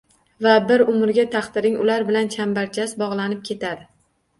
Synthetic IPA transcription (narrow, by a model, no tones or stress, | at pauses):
vabɪɾʊmɪɾɡʲat̪ʰaχt̪ɪɾɪŋʊlaɾbɪlant͡ʃʰambaɾt͡ʃʰasbɒʁlˠanɪp̚kʲʰe̞t̪ʰad̪ɪ